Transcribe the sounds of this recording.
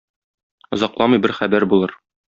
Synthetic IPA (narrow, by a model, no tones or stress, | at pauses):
ɒ̆zɑqlˠɑmɤjbɘɾχæbæɾbulˠɤɾ